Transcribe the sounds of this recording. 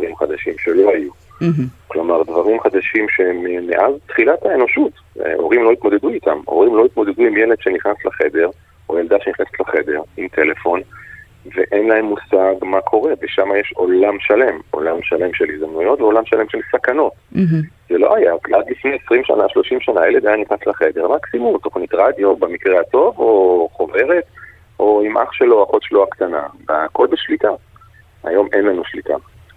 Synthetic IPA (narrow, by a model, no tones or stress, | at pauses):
dʁimχad̪aʃimʃe̞lo̞aju | klo̞maʁd̪vaʁimχad̪aʃimʃe̞memeʔazt̪χilataeno̞ʃut | ʔo̞̰ʁimlo̞it̪mo̞d̪e̞d̪uit̪amo̞̰ʁimlo̞it̪mo̞d̪e̞d̪uimjeled̪ʃeniχnaslaχe̞d̪e̞ʁ | ojeld̪aʃeniχneset̪laχe̞d̪e̞ʁimt̪ʰe̞le̞fo̞n | veʔe̞nlae̞mːusaɡmakʰo̞ʁe̞veʃamajeʃo̞lamʃale̞mʔo̞̰lamʃale̞mʃelizd̪amnujo̞tveo̞lamʃalemʃe̞lsakano̞tzelo̞̰ʔajakladlifnejesʁimʃa̰naʃlo̞ʃimʃanajeled̪ajanitaslaχe̞d̪e̞ʁmaksimumto̞χnitʁad̪jo̞bemikʁeato̞vo̞χove̞ʁe̞t | ʔo̞imʔa̰χʃeloaχotʃloakt̪anaveako̞lbeʃlita | a̰jo̞mʔe̞nlanuʃlitʰa̰